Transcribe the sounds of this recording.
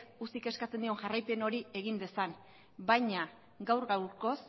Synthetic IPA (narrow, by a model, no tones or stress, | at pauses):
usike̞skat͡send̪io̞ŋʝarajpe̞no̞ɾie̞ɣ̞ind̪e̞san | bajɲa | ɡawɾɣawɾko̞s